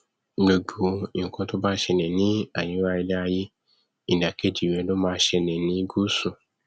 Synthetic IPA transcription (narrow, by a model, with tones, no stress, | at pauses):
ɡ͡be˨ɡ͡bu˨˦i˨ŋ̩˨kɔ̃˧to˦ba˦ʃɛ˧nɛ̃˨nĩ˨˦a˦˨j̃ĩ˨˦wa˦˧i˧lɛ˦a˧je˦ | ĩ˨da˨ke˦˨d͡ʒi˨ɾɛ˨˦lo˦mãː˧˦ʃɛ˧nɛ̃˨nĩ˨˦ɡu˦sũ˨